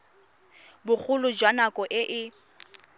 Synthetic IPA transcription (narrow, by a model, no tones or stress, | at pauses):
bʊk͡xʰʊlʊd͡ʒwanakʼɔʔɪʔɪ